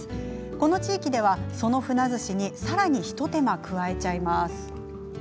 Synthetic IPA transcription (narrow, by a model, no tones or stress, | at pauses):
ko̞no̞t͡ɕiːkʲid̪e̞β̞aso̞no̞ɸɯ̟nazɨɕiɲ̟isaɾaɲ̟içi̥t̪o̞t̪e̞makɯ̟βae̞t͡ɕaimasɨ̥